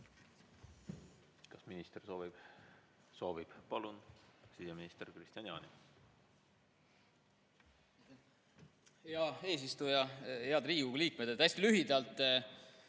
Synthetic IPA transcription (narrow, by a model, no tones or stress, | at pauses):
kɑsminist̪ersoib̥ | so̞ːvib̥pɑlunsiseminist̪eɾkrist̪ʲɑnjɑ̰ːni | jɑe̞ːs̬ist̪ujɑeɑd̪riːɡuliːk̚med̪et̪æjst̪ilyɦid̪̥ɑlt̪ːˑ